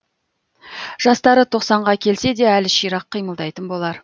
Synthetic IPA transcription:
ʒ̥ɑst̪ɑɾət̪ʰo̞qsɑɴʁɑkʲʰe̞lse̞d̪e̞ælɪʃijɾɑqʰːijməlˠd̪ɑjt̪ənbo̞lˠɑɾ

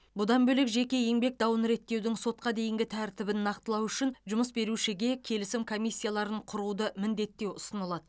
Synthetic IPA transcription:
bʊd̪ɑnbɵlɪkʒe̞kʲe̞je̞ŋbe̞k̚d̪ɑwənɾe̞t̪ːe̞wd̪ɪŋso̞t̪̚qɑd̪e̞jɪŋɡʲɪt̪ʰæɾt̪ɪbɪnːɑqt̪əlˠɑwʏʃɪnʒʊməsbe̞ɾuʃɪɡʲe̞kʲʰe̞lɪsɪmkʰo̞mʲijsʲːijalˠɑɾəɴqʰʊɾud̪əmɪnd̪e̞t̪ːe̞wʊsənəlˠɑd̪ə

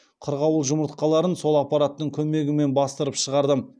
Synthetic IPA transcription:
qʰəɾʁɑwəlˠʒʊməɾt̪qɑlˠɑɾənso̞lˠɑpːɑɾat̪ːəɴkʲʰɵme̞ɡʲɪme̞nbɑst̪əɾəpʃəʁɑɾd̪əm

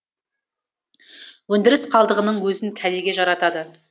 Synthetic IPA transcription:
wɵnd̪ɪɾɪsqʰɑlˠd̪əʁənəɴwɵzɪŋkʲʰæleɡʲeʒɑɾɑt̪ɑd̪ə

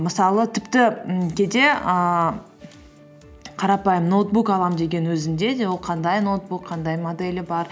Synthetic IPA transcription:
məsɑlˠət̪ʰɪpt̪ɪkʲʰed̪e̞ə | qʰɑɾɑpɑjəmnot̪̚bukɑlˠɑmd̪e̞ɡʲe̞nwɵzɪnd̪e̞d̪e̞wolˠqʰɑnd̪ɑjnowt̪̚bukqʰɑnd̪ɑjmod̪elʲɪbɑɾ

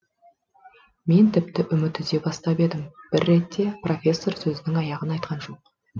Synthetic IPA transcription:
me̞nt̪ʰɪp̚t̪ɪʔʏmɪt̪ʏɪzd̪e̞bɑst̪ɑbe̞d̪ɪmb̥ɪɾːe̞t̪ːe̞prʔo̞fʲe̞sːo̞rsɵzɪnɪŋɑjɑʁənɑjt̪qʰɑnʒo̞q̚

